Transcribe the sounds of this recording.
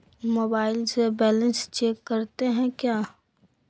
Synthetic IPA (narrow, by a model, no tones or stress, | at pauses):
moːbaːɪlsebɛːlə̃nst͡ʃeːkːəɾt̪eɦɛ̃kjaː